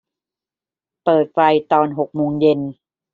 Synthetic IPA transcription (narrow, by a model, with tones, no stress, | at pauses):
pɤː˨˩t̪̚fa˧jt̪ɔː˧nɦo˨˩k̚moː˧ŋje˧n